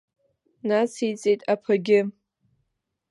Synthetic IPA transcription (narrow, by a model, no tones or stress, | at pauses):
nasit͡sʼejtʼapʰaɡʲɪ